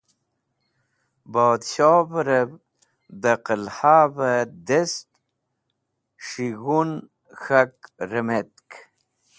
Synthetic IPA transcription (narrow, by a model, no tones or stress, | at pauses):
boːd̪ɕoːbɾəb | d̪əqəlhaːbəd̪est̪ | ʂiɣun | xakɾəmet̪k